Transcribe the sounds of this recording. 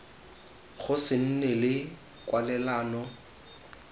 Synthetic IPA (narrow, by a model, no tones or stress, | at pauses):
χʊsɪn̩nɛlɪ | kʼwalɛlaːnɔ